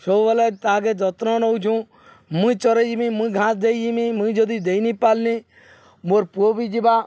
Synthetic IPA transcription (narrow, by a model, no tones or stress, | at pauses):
ʃoʋəlet̪aːɡed͡ʒɔt̪ɾõːnout͡ʃʰũː | mũĩt͡ʃɔɾed͡ʒimĩːmuĩɡʱãːsd̪eid͡ʒimiːmũĩd͡ʒod̪id̪einiːpaːlniː | moːɾpuoːbiːd͡ʒibaː